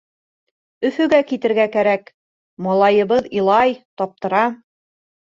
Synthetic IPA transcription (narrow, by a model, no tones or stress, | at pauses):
ɵ̆fɵ̆ɡækit̪ɘ̆ɾɡækæɾæk | mɒlˠɑjɤ̆βɤðilˠɑjt̪ɒp̚t̪ɤ̆ɾɑ